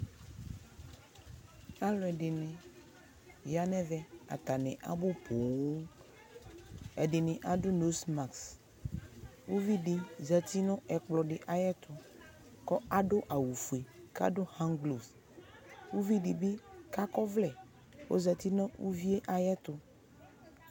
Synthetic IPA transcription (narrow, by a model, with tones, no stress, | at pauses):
a˦lɔ˨ɛ˨ɖe˨nɛ̃˨ | ja˦nɛ̃˦vɛ˦a̰˨t̪a˨nɛ̃˨ʔa̰˨bo˦pʰo˨o˦ | ɛ̰˨ɖe˨nẽ˨ʔa˨ɖo˦no˦sma˨ks | wu˦vi˦ɖi˨za˨t̪i˦nɔ̃˦ʔɛ˨k͡plɔ˨ɖe˨ʔa˨jɛ˦t̪ʰo˨ | kɔ˦a˨ɖo˦ʔa˨wu˨fu˨e˨ka̰˦ɖo˦hã˦ŋɡlo˨s | wu˦vi˦ɖi˨be˦ka˦kɔ˦vlɛ˨ | wʔo̰˦za˨t̪i˦nɔ̃˦wu˦vi˦e˦ʔa˨jɛ˦t̪o˨